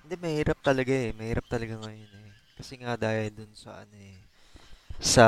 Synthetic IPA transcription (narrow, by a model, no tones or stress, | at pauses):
hɪnd̪ɛmɐhiːɾɐp̚t̪ɐlɐɡaɛmɐhiːɾɐp̚t̪ɐlɐɡaŋɐjonɛ | kɐsɛŋad̪aːhɐld̪ʊnsɐ̰ʔɐ̰no̞ɛ | sɐ